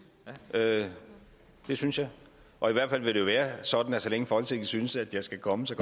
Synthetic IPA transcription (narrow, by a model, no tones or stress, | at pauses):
ø | d̥e̝synsjɑ̈ɪ | ʔɒ̽iʋæɐd̥fæl̰ʋe̝d̥e̝jo̝ʋæːɐsɒ̽d̥n̩æsɒleŋəfɒhɒl̰t͡sʰeɡ̥əsynəsæd̥jɑ̈ɪsɡ̥ækʰɒ̽məsɒ̽